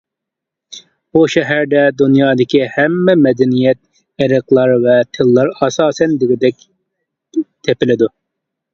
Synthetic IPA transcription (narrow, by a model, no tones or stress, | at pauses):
b̥uʃɛɦæɾd̪ɛd̪unjɑːd̪ɪkʲihɛmːɛmɛd̪ɛnijɛt̪̚ | eɾəqlˠɑɾvɛt̪ʰɨlˠːɑɾɑsɑːsɛnd̪ɪɡʲɪd̪ɛkʲ | t̪ʰepɪlɪd̪u